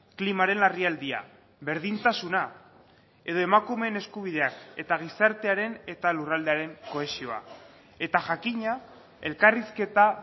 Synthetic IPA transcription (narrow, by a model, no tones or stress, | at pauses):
klimaɾe̞nariald̪ia̰ | βe̞ɾðint̪asuna | e̞ðo̞e̞makume̞ːne̞skuβ̞ið̞e̞ake̞t̪aɣ̞isaɾt̪e̞aɾe̞ne̞t̪alurald̪eaɾe̞ŋko̞e̞sio̞a̰ | e̞t̪aʝakiɲa | e̞lkariske̞t̪a